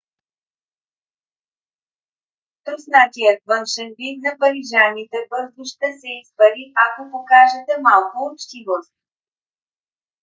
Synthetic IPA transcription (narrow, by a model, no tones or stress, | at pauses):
t̪ɾusnat̪ijət̪vənʃɛnvit̪̚nɐpɐɾiʒanit̪ɛbɤd̪ʊʃt̪əsɛispɐɾiakopokaʒɛt̪ɛmalˠkʊːt͡ʃt̪ivost̪̚